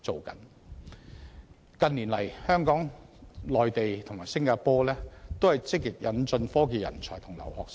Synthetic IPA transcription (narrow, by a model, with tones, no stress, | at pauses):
t͡so˨wkɐ̰˨˥n | kɐ˨˧nliː˨˩nlɐ˨˩jhœː˥ŋkɔː˨˥ŋlɔː˨jt̪e˨jt̪ʰʊ˨˩ŋmaː˨˩jsɪ˥ŋkaː˧˥pɔː˥lɛː˥t̪o˥whɐ˨jt͡sɪ˥k̚ːɪ˨k̚jɐ˨˧nt͡sɵ˧nfɔː˥k̬iː˨jɐ̰˨˩nt͡sʰɔ̰ː˨˩jt̪ʰʊ˨˩ŋlɐ̰˨˩whɔː˨˧k̚